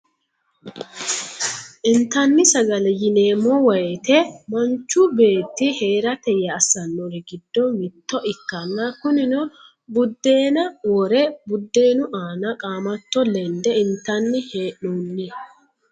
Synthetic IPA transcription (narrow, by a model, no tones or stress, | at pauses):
ʔɪnt̪ɐnːɪsɐɡɐlɛjɪne̞ːmːɔwɐjɛt̪ɛmɐnt͡ʃːube̞ːt̪ːɪhe̞ːɾɐt̪ɛjɐːsɐnːɔɾɛɡɪd̪ːɔmɪt̪ːɔʔɪkːɐnːakʊnɪnɔ | bʊd̪ːe̞ːnɐwɔɾɛbʊd̪ːe̞ːnʊʔaːnɐkʼaːmɐt̪ːɔlɛnd̪ɛɪnt̪ɐnːɪheːʔuːnːɪ